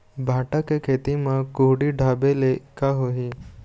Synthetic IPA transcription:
bʱaːʈakekʰeːt̪imãkuɦɽiɖʱabelekaɦoɦi

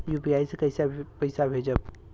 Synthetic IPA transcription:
juːpiaːisekɐɪsapɐɪsabʱeːd͡ʒəb̚

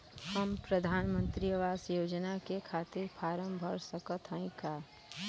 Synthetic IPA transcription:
həmpɾəd̪ʱaːnmə̃nt̪ɾijəʋaːsjoːd͡ʒnakekʰaːt̪ɪɾpʰaːɾəmbʱəɾsəkət̪ʰɦə̃ĩkaː

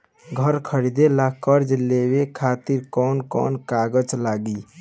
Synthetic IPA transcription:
ɡʱəɾkʰəɾid̪elakəɾd͡ʒlebekʰat̪iɾkɔnkɔ̰ːnkaɡəd͡ʒlaɡi

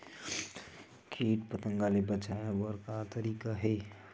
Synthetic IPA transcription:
kʰiːʈpət̪ə̃ŋɡalebət͡ʃaewəɾkat̪əɾiːkaɦɛ

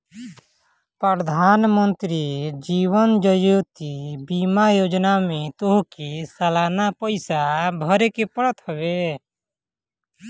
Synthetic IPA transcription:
pɾəɾd̪ʱaːnmənt̪ɾid͡ʒiːwənd͡ʒəjoːt̪ibimajoːd͡ʒnamẽt̪oɦkisəlaːnapəɪsabʱəɾekepəɽət̪ɦəbe

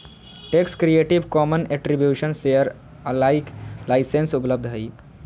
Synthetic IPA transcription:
ʈekskɾieːʈiʋkɔːməneʈɾibjuːʃənsejəɾ | əlaːɪklaːɪsensʊpləb̚d̪ʱɦəi

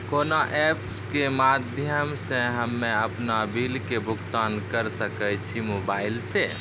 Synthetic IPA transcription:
koːnaʔɛːpskemaːd̪ʱjəmseɦəmːẽəpnabilkebʱʊkt̪aːnkəɾsəkət͡ʃʰimoːbaːɪlse

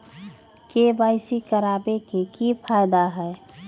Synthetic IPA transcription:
kebaːɪsikəɾaːbekekipʰaːɪd̪aɦɛː

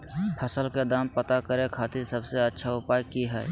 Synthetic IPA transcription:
pʰəsəlked̪aːmpət̪akəɾẽkʰaːt̪ɪɾsəbseətːʃʰaʊpaːjkiɦɛ̰ː

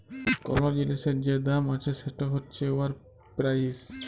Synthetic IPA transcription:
kɔ̰ɾmod͡ʑiniʃeɾd͡ʑed̪amat͡ɕʰeʃeʈaɦotːɕʰeoaɾ | pɾajs

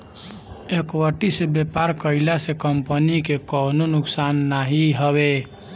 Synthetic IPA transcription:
ekwəʈisebepaɾkəɪlasekəmpənikekɔnonʊksanːaɦiɦəbe

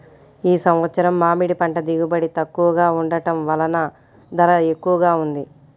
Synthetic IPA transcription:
iːsɐmʋɐt̪sɐɾɐmːaːmiɽipɐɳʈɐd̪iɡubɐɽit̪ɐkːuʋɐɡaːuɳɖɐʈɐmʋɐlɐnɐ | d̪ɐɾɐe̞kːuʋɐɡaːund̪i

